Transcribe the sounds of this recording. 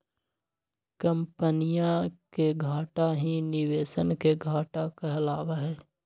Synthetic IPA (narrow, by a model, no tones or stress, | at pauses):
kə̃mpənijãkeɡʱaːʈaɦinɪʋeːʃənkeɡʱaːʈakaɐlaːʋaɦɛː